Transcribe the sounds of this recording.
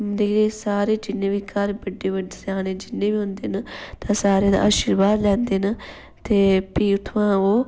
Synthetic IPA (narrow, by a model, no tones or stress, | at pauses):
md̪iːɾeːsaːɾeːd͡ʒɪnːẽːʋiːkəɾbəɖːeːəɖesaːneːd͡ʒɪnːẽːʋiːɦʊ̃nd̪eːnat̪ãːsaːɾeːd̪a̰ːaːʃiːɾbaːd̪lɛ̃ːnd̪eːna | t̪eːpiːʊt̪ʰːʋãːoː